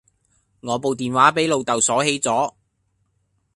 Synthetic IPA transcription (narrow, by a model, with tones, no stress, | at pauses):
ŋɔː˨˧po˨wt̪iː˨nwaː˨˥pe˨˥jlo˨˧wt̪ɐ˨wsɔː˨˥he˨˥jt͡sɔː˨˥